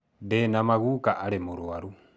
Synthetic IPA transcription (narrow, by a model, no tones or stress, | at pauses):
dɛnamaɣukaʔaɾɛmuɾuaɾu